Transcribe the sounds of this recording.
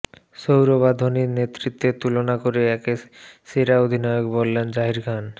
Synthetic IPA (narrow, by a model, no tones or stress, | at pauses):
ʃowɾobad̪ʱoniɾnet̪ːɾit̪ːet̪ulonakoɾeɛkeseɾaod̪ʱinɔeokbolːend͡ʑaɦiɾɡʰʱan